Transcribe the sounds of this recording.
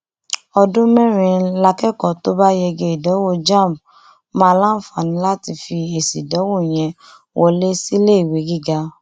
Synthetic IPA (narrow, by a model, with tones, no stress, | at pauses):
ɔ˧dũ˦mɛ̃˦˨ɾ̃ĩ˧la˧kɛ˦kɔ˨to˦ba˦jɛ˧ɡe˧˨i˨dɔ˨˦wo˦˧d͡ʒã˦˨m | mãː˦˧lã˦˨fa˨nĩ˧˦la˦ti˧fi˧e˨si˨dɔ˨˦wo˦˨j̃ɛ̃˧ | wɔ˧le˦si˦le˦i˨we˨˦ɡi˦˨ɡa˧˦